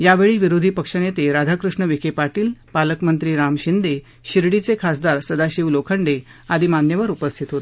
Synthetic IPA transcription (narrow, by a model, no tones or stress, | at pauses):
jaʋeɭiːʋiɾod̪ʱipəkʂənjet̪eɾad̪ʱakɾuʂɳəʋikepaʈiːlpaləkmənt̪ɾiːɾamɕind̪e | ɕiɾɽit͡sekʰasd̪aɾsəd̪aɕiʋlokʰəɳɖe | ad̪ʱiːmanjəʋəɾupəst̪ʰit̪ɦot̪